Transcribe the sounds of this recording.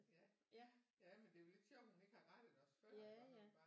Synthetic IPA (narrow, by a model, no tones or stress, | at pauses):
jæ | jæmend̥e̝je̝le̝d̥ɕɒ̰ʊ̰d̥hune̝ɡ̥hɑ̈ʁɑd̥d̥ɒsfɶɐɒ̥ɑ̈ː